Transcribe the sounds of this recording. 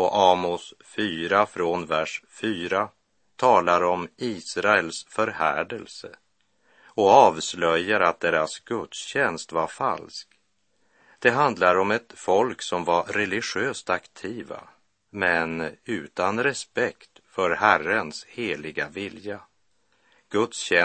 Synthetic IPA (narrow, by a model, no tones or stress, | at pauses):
ɔʔɑːmʊsfyːɾafɾɔnvæʂfyːɾa | t̪ʰɑːlaɾɔmiːsɾaɛlsfœɾhæːɖəlsə̰ | ɔɑːvslœjːaɾat̪̚d̪eːɾasɡɵt̪sɕɛnst̪vaɾfa̰lsk | d̪̥ɛɦand̪laɾɔmɛt̪fɔlksɔmvaɾɛlɪɧøːst̪akt̪ʰiːva̰ | mɛnʉ̟ːt̪anɾɛspɛkt̪fœɾhærənsheːlɪɡavɪlja | ɡ̥ɵt̪sɕɛ